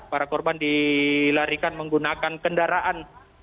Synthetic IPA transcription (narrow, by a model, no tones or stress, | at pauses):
paɾakɔrbandilaɾikanməŋɡunakankəndaɾaʔan